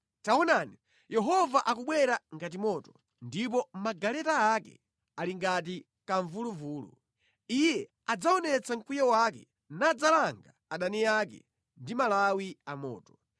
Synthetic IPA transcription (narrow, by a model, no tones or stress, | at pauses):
taɔnani | jʔɛɦɔvaʔakuɓwɛɾaŋɡat̬imɔtɔ | ndip̬ɔmaɡalɛtaːkɛ̰ | aliŋɡat̬i | kaɱvuluvuːlṵ | ijɛ | ad͡zaɔnɛt͡saŋ̩kujawak̬ɛ | nad͡zalaŋɡa | aɗaniakɛ̰ | ndimalawiamɔ̰ːtɔ